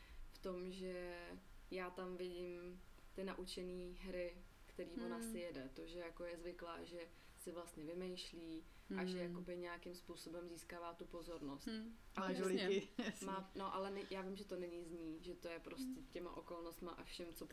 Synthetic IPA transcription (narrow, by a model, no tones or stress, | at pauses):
ft̪o̞mʒɛ | jaːt̪amvɪɟɪmt̪ɪnaʔut͡ʃɛniːɦɾɪ | kt̪ɛɾiːvonasɪjɛdɛt̪o̞ʒɛjako̞jɛzvɪkla̰ːʒɛ | sɪvlast̪ɲɛvɪmɛjʃliː | ʔaʒɛjako̞bɪɲɛjakɪmspuːso̞bɛmziːskaːvaːt̪upo̞zo̞ɾno̞st̪ʔalɪɪmaːno̞ʔalɛnɛjaːvɪmʒɛt̪o̞nɛɲɪzɲiːʒɛt̪o̞jɛpɾo̞scɛcɛma̰ʔo̞ko̞lnost̪ma̰ʔafʃɛmt͡so